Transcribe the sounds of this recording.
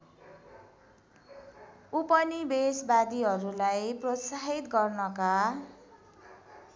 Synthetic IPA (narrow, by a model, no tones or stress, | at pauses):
upʌnibesbad̪iɦʌɾulajprot̪saɦit̪ɡʌrnʌka